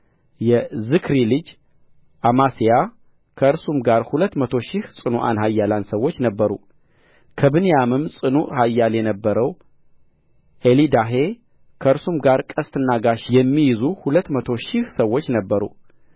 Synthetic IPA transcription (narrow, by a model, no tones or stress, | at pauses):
jɛzɨkʰɾilɨd͡ʒ | ʔamasija | kʰəɨɾsumɡaɾhulət̪ːmət̪ʰo̞ʃɪhsʼɨnuʔa̰nhajːalansəwːo̞t͡ʃːnəbːəɾṵ | kʰəbɨnijamɨmsʼɨnuhajːaljɛnəbːəɾəw | ʔelid̪aɦe̞ | kʰəɨɾsumɡaɾkʼəst̪ʰɨnːaɡaʃjɛmːijɪzuhulət̪ːmət̪ʰo̞ʃɪhsəwːo̞t͡ʃːnəbːəɾṵ